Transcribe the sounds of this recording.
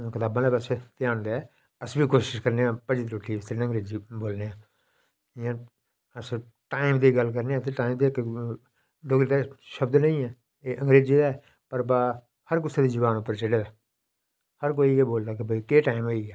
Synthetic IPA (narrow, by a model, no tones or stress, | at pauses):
kɪt̪aːbãːleːbətːʃʰeːt̪ɪjaːɳd̪aːɛː | əsbiːkoːʃɪʃkəɾneːãːpəd͡ʒit̪ɾoːʈʰːiːɪst̪əɾinə̃ŋɡɾeːd͡ʒiːboːlneːãː | ɪjãː | əs | ʈaːɪmd̪iːɡəlk̬əɾneːãːt̪ʰeːʈaːɪmd̪eːɪkː | ɖoːɡd̪aːʃəbd̪nəĩːɛː | eːʔə̃ŋɡɾeːd͡ʒiːd̪aː | pəɾbaː | həɾkʊsaːd̪iːd͡ʒəbaːnʊpːəɾt͡ʃɪɽeːd̪aː | həɾk̬oːiːeːboːld̪aːk̬ɪbəikeːʈaːɪmoːiːɛː